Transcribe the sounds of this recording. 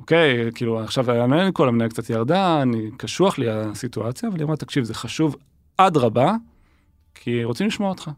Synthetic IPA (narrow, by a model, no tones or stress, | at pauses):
ʔoke̞jkiːluaχʃavaanenikolamnaakt͡sat̪jaʁd̪aːnikaʃuaχliasituat͡sjaːvaliʁotakʃivzeχaʃuv | ʔadʁaba | kʰiʁot͡simliʃmoaot̪χa